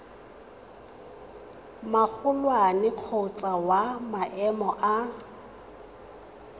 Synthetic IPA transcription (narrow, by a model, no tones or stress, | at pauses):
mak͡xʰʊlwanɪq͡χʰot͡sʼawamaʔɛmɔʔa